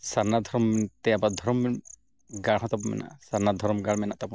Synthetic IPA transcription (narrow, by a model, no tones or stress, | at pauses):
saɾnad̪ʱɔɾɔmt̪ɛjabad̪ʱɔɾɔm | ɡaɽɦɔ̃t̪ap̬ɔmɛ̰na̰ʔsaɾnad̪ʱɔɾɔmɡaɽmɛnaʔt̪apɔ